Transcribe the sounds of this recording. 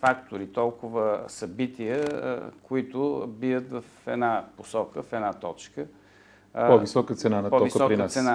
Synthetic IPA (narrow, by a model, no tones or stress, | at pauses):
fakt̪ʊɾit̪ɔlˠkʊvəsɐbit̪ijə̰koit̪ʊbiət̪vəfɛ̰d̪naposɔkəfɛd̪nat̪ɔt͡ʃkə | pɔvisɔkət̪sɛnanɐtpɔɔvisk̪ɔkɾiəsɛna